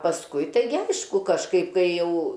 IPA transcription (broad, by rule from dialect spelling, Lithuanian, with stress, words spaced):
pɐsˈkʊɪ tɐɪˈɡʲɪ ˈɐɪʃkʊ kɐʃˈkɐɪp ˈkɐɪ ˈjɛʊ